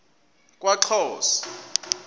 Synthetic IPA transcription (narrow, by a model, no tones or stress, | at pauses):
kʼwaǁʰɔːsɔ̥